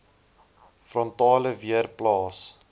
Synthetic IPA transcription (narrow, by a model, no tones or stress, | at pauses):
frɔntɑːləviərplɑːs